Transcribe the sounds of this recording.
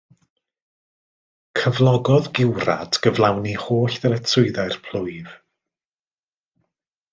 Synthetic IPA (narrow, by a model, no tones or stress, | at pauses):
kʰəvlˠɔɡɔðɡɪwra̰d̥ɡ̥əvlˠawnihoːɬðɛlɛtʰrʊɨðaɨrpʰl̥ˠʊjv